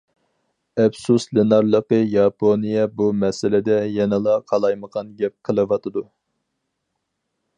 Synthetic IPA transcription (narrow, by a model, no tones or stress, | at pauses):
ɛpsuslenɑɾlˠəqəjɑpʰonijɛbumɛsɪlɪd̪ɛjɛnɨlˠɑqʰɑlˠɑjməʁɑnɡʲɛp̚qʰəlˠɨʋɑt̪ʰɨd̪u